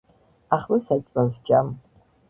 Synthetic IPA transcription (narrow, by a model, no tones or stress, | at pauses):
aχlɨsat͡ʃʷʼazʷd͡ʒʼam